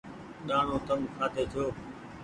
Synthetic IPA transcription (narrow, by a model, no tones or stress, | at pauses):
ɗaːɳ̤õːt̪əmkʰaːt̪eːt̪ʰɪjoː